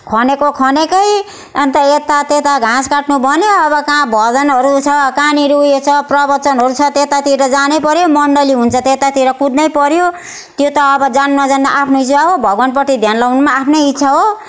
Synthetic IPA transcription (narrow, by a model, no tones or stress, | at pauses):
kʰʌnekokʰʌnekʌj | ʌnt̪ʌet̪at̪et̪aɡʱãskaʈnubʱʌnjoʌbʌkãbʱʌd͡zʌnɦʌɾut͡sʰʌkaniɾujet͡sʰʌprʌbʌt͡sʌnɦʌɾut͡sʰʌt̪et̪at̪iɾʌd͡zanepʌɾjomʌɳɖʌliɦunt͡sʰʌt̪et̪at̪iɾʌkud̪nʌjpʌɾjo | t̪jot̪ʌːbʌd͡zannʌd͡zand̪aʔapʰnoɦiswaɦobʱʌɡwanpʌʈ̪id̪ʱjanlawnumaːpʰnoɦit̪sʰaɦo